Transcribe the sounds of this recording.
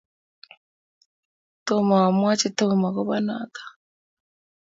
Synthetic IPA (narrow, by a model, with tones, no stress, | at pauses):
to˦ma˨wa˨mwa˦t͡ʃi˦to˦˨ma˨ko˦βa˦na̰˨tḁ˨